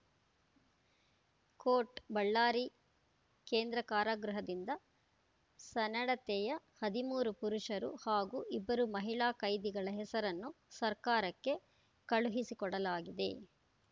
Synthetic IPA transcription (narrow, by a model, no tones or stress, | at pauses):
koːʈbɐɭːaːɾi | keːnd̪ɾɐkaːɾaːɡɾuɦɐd̪ind̪ɐ | sɐnɐɽɐt̪ɛjɐ | hɐd̪imuːɾupuɾuʂɐɾṵhaːɡuʔibːɐɾumɐɦiɭaːkɐjd̪iɡɐɭɐɦɛsɐɾɐnːusɐɾkaːɾɐkːe̞ | kɐɭuɦisikɔɽɐlaːɡid̪e̞̰